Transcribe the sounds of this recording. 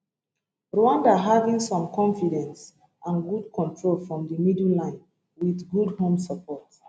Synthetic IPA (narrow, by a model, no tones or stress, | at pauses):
ɹɔãndaɦavĩŋsɔ̃mkʰɔ̃nfidɛ̃ns | ʔãnɡud̚kʰɔ̃ntʰɹolfɹɔ̃mdəmidlãɪ̃n | wiðɡudhõmsəpʰɔt